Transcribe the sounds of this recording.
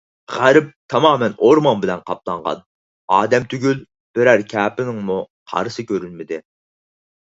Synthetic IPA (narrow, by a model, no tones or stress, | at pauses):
ʁæɾɪp̚t̪ʰɑmɑːmɛnoɾmɑnbɪlɛnqʰɑp̚lˠɑɴʁɑ̰n | ɑːd̪ɛmt̪ʰyɡʲyl | b̥ɪɾæɾkʲʰæːpɪnɪŋmu | qʰɑ̰ɾɨsɨkʲøɾylmɪd̪ɪ